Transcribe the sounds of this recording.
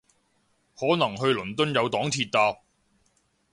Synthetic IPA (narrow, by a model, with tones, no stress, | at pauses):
hɔː˨˥nɐ˨˩ŋɦɵ˧ɥlɵ˨˩nt̪ɵ˥njɐ˨˧wt̪ɔː˨˥ŋt̪ʰiː˧t̚t̪aː˧p̚